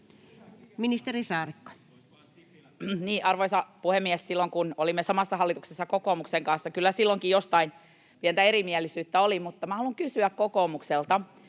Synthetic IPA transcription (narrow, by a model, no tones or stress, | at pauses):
minist̪erisɑːrikːo̥ | niːʔɑrʋoisɑpuhemːiɛssilːoŋkunolimːesɑmɑsːɑhɑlːit̪uksesːɑkokoːmukseŋkɑnsːɑkylːæsilːoŋkijost̪ɑin | piɛnt̪æeɾimiɛlːˑisyːt̪ːæolimut̪ːɑmæhɑluŋkysyækkokoːmukselt̪ɑ